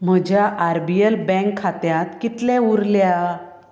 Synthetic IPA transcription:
m̤əd͡ʑʱjaʔaɾbiəlbɛ̃ŋkʰːat̪jãt̪kit̪lɛ̃uɾlja

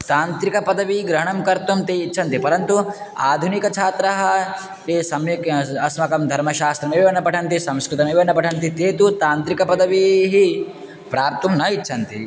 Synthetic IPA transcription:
t̪aːnt̪ɾikɐpɐd̪ɐʋiɡɾɐɦɐɳɐmkɐɾt̪umt̪eːitːt͡ʃʰɐnt̪ipɐɾɐnt̪uaːd̪ʱunikɐt͡ʃʰaːt̪ɾɐɦɐ | t̪eːsɐmikɐsmɐkɐmd̪ʱɐɾmɐʃaːst̪ɾɐmeʋʋeɳnːɐpɐʈʰɐnt̪isɐ̃mskɾɪt̪ɐmeʋenːɐpɐʈʰɐnt̪it̪eːt̪ut̪aːnt̪ɾikɐpɐd̪ɐʋiɦi | pɾaːp̚t̪umnɐitːʃʰɐnt̪ḭ

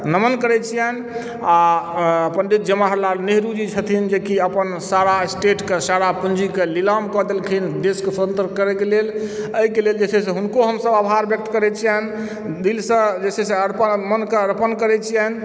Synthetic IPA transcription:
nəmənkəɾɛt͡ʃʰijɛn | aəpənɖ̪it̪̚d͡ʒəmaɦɾlalneɦɾud͡ʒit͡ʃʰət̪ʰind͡ʒekiəpənsaɾasʈeʈkesaɾapund͡ʒikelilamkɔd̪elkʰind̪eskeswət̪ənt̪əɾkəɾɛkeleləɦikeleld͡ʒesɛsẽɦunkoɦəmsəbabʱaɾbjək̚t̪kəɾɛt͡ʃʰijɛn | d̪ilsə̃d͡ʒesɛsẽəɾpəmənkeəɾpənkəɾɛt͡ʃʰijɛn

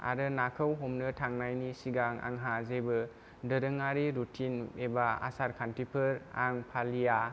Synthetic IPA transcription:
a̰ɾɯnakʰɯwɦomnɯtʰaŋnajnisiɡaŋa̰ŋɦazebɯ | dɯɾɯŋaɾiɾutʰinebaa̰saɾkʰantipʰɯɾaŋpʰalija

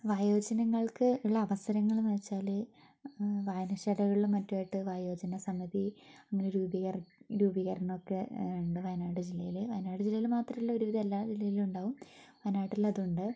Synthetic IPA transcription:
ʋaːjo̞ːd͡ʑɐnɐŋːɐɭkɨuɭːɐːʋɐsɐɾɐŋːɐɭumʋet͡ɕːaːlɨ | ʋaːjnɐɕɐɽɐɣɐɭiɭmːɐtːaːjiʈːɨʋaːjo̞ːd͡ʑɐnɐsɐmiðiɐŋːɐneɾuːbiɐrɾuːbiɣɐrɐɳɐmokːeuɳɖɨʋɐjɐnaːʈɨd͡ʑilːɐjileʋɐjnaːʈɨd͡ʑilːɐjilmaːt̪rɐmilːɐo̞ɾuʋiðɐelːaːd͡ʑilːɐjiluɳɖaːʋumʋɐjnaːʈːilɐðuɳɖɨ

